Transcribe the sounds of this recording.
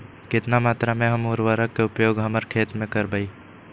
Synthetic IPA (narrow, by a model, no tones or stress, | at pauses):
kɪt̪namaːt̪ɾamẽɦəmoːɾʋaːɾəkːeʊpjoːɡɦəməɾkʰeːt̪mẽkəɾbəi